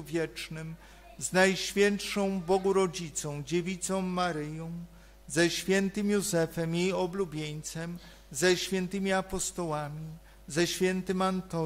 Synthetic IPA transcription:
vʲjɛt͡ʂnɘm | znajɕfʲjɛntʂɔ̃w̃bɔɡuɾɔd͡ʑit̪sɔ̃w̃d͡ʑevʲit̪sɔ̃w̃maɾɘjɔ̃w̃ | zɛɕfʲjɛnt̪ɘmjuzɛfɛmjejɔblubʲjeɲt̪sɛm | zɛɕfʲjɛnt̪ɘmʲiapɔst̪ɔwamʲi | zɛɕfʲjɛnt̪ɘmant̪ɔ

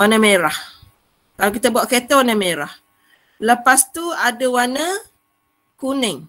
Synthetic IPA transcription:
wanəmeɾah | kalak̬it̪əbuaʔket̪awanəmeɾah | ləpast̪uadəwanə | kunɪŋ

